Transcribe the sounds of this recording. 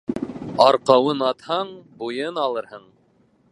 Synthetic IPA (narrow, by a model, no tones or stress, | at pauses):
ɑɾqɑwɤnɑt̪hɑɴbujɤnɑlˠɤɾhɤɴ